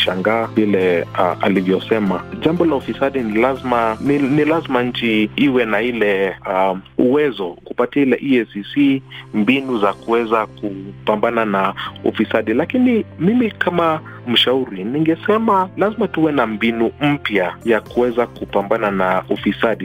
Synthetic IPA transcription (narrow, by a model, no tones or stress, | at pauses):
ʃaŋɡaːvilɛa̰livjɔsɛmaʄambɔlaufisaɗinilazmanilazimaɲ̩t͡ʃiiwɛnailɛ | uwɛzɔkupatiailɛʔiɛsisimbinuzakuwɛzakupambananaṵfisaɗilakinimimikama | m̩ʃauɾiniŋɡɛsɛmalazimatuwɛnambinum̩pjajakuwɛzakupambananaufisaɗi